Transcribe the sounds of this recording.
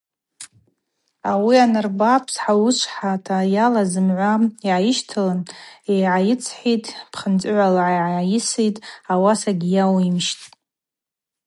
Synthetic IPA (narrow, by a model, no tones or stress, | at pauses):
awianɨrbapʰsħawuʃʷħatʰajalazɨmʕʷaiʕajɪʃtʰalɨnejʕajɪt͡sʰħʷitʼpʰχənt͡sʼʕʷalaʕajʕaʕajɪsejtʼawasaɡʲijawimʃtʼ